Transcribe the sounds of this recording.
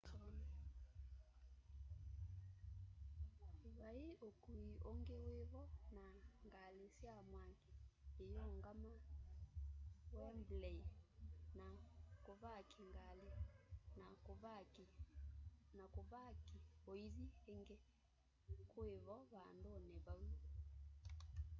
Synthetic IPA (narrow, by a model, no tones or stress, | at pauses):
βaiokuiʔoŋɡeweβɔnaŋɡalesjamwaŋɡeejɔŋɡama | wɛmblɛinakoβakʰiŋɡalenaβ | nakoβakioiðieŋɡe | kweβɔβandoneβai